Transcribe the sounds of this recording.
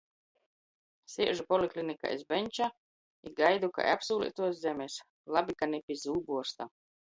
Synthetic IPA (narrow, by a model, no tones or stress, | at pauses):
siɛʒupɔlʲiklʲinika̰ʔizbɛnʲt͡ʃa | iɡajd̪uka̰j̰apsuːlʲḭt̪uɔs̬zɛmʲes | lˠabʲikanʲɛpʲizuːbuɔst̪a̰